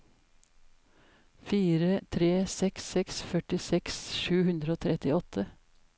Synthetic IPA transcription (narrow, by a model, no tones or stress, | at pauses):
fiːɾət̪ʰɾeːsɛksɛksfœʈɪsɛksʃʉːhʉnd̪ɾəoːt̪ʰɾɛt̪ɪɔt̪ʰə